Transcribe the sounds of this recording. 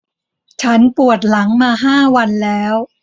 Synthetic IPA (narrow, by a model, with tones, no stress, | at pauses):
t͡ɕʰa˦˥npu˨˩ət̪̚la˩˦ŋmaː˧ɦaː˥˩wa˧nlɛː˦˥w